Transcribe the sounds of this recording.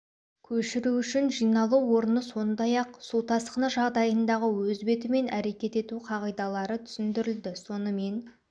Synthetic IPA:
kʲʰɵʃɪɾuʏʃɪnʒijnɑlˠuwo̞ɾənəso̞nd̪ɑjɑqsut̪ʰɑsqənəʒɑʁd̪ɑjənd̪ɑʁəwɵzbe̞t̪ɪme̞nʔæɾe̞kʲe̞t̪e̞t̪uqʰɑʁijd̪ɑlˠɑɾət̪ʰʏ̥sɪnd̪ɪɾɪld̪ɪso̞nəme̞n

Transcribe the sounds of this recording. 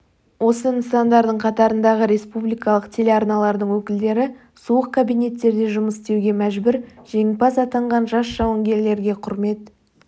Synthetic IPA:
wo̞sənəsɑnd̪ɑɾd̪əɴqʰɑt̪ɑɾənd̪ɑʁəɾe̞spublijkɑlˠəqt̪ʰe̞leɑɾnɑlˠɑɾd̪əɴŋwɵkʲɪld̪e̞ɾɪ | suəq̚kʰːabijne̞t̪ːe̞ɾd̪e̞ʒʊməst̪e̞wɡʲe̞mæʒbʏɾʒ̥e̞ŋpɑsɑt̪ɑɴʁɑnʒɑsʒ̥ɑwəŋɡʲe̞ɾle̞ɾɡʲe̞qʰʊɾme̞t̪

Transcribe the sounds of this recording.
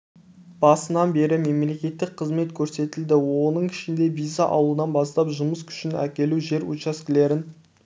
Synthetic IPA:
b̥ɑsənɑnbe̞ɾɪme̞mle̞kʲe̞t̪ːɪk̚qʰəzme̞t̪kʲʰɵɾse̞t̪ɪld̪ɪwonəɴʰɪʃɪnd̪e̞vijzɑʔɑ̰wlˠənɑnbɑst̪ɑpʒʊməskʲʰʏ̥ʃɪnæ̰kʲe̞luʒe̞ɾṵt͡ʃɑskʲɪle̞ɾɪn

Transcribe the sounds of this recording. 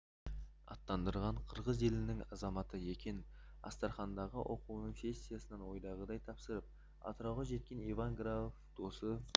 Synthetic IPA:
ɑ̰t̪ːɑnd̪əɾʁɑɴqʰəɾʁəze̞lɪnɪŋɑzɑmɑt̪əje̞kʲe̞n | ɑ̰st̪ɑɾχɑnd̪ɑʁəwʔo̞quwnəŋfe̞st̪ijasənɑnwo̞jd̪ɑʁəd̪ɑjt̪ʰɑpsəɾəp̚ | ɑ̰t̪ɾɑwʁɑʒe̞t̪̚kʲe̞nivaŋɡɾaofd̪̥o̞sə

